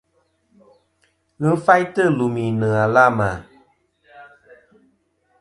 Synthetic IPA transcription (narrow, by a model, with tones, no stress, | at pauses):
ɣɨ˦n̩˦fa˦jtə˦˨lu˨mĩ˨nɨ̃˨a˨la˦˨ma˨